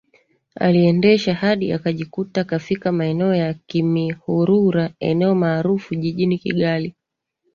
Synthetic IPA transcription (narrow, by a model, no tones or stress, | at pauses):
a̰liɛndɛʃahaɗiakaʄikutaːkafikamaɛnɛɔjakimihuɾuɾaɛ̰nɛɔmaːɾufuʄiʄinikḭɠali